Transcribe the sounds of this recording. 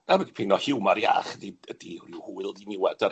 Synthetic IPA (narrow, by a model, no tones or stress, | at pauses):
navɛɡipʰenɔhɪwmaɾja̰χðiədihriwhuɨlˠdinɪwɛd̥a